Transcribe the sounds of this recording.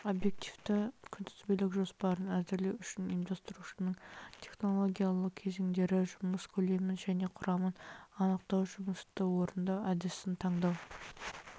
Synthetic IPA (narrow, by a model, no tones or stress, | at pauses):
o̞bje̞k̚t̪ift̪əkʲʰʏnd̪ɪzbelɪkʒo̞spɑɾənæzɪɾlewʏʃɪnimd̪ɑst̪əɾuʃənəɴt̪ʲʰe̞χno̞lˠo̞ɡʲijalˠəq̚kʲʰe̞ze̞ŋd̪e̞ɾɪʒʊməskʲʰɵle̞mɪnʒæne̞qʰʊɾɑmənɑnəq̚t̪ɑwʒʊməst̪əwo̞ɾənd̪ɑæd̪ɪsɪnt̪ʰɑɴd̪ɑw